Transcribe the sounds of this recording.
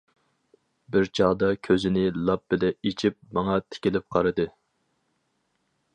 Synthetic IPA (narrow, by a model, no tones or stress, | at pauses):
bɪɾt͡ʃʰɑːd̪ɑkʲʰøzɪnɪlˠɑp̚bɪlɛet͡ʃʰip̚mɑŋɑt̪ʰe̥kʲilɪp̚qʰɑɾɨd̪ɨ